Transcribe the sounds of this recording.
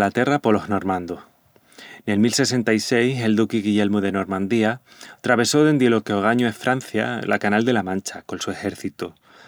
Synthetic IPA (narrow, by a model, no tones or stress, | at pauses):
lat̪e̞rapolo̞ɦno̞ɾmãnd̪oh | ne̞lmilse̞se̞nt̪ajse̞jɦe̞ld̪ukiɣiʝe̞lmuðe̞no̞ɾmãnd̪ia | t̪ɾaβe̞so̞ðe̞nd̪jelokeoɣ̞aɲuefɾʔan̟θja̰lʔa̰kanald̪e̞lamãnt͡ʃako̞nsue̞xe̞ɾθit̪u